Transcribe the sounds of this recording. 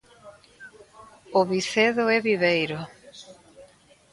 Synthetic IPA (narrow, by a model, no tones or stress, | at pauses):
ʊβiθeðʊɛβiβejɾo